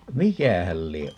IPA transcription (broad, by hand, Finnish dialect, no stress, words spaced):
mikæhæl lieʔ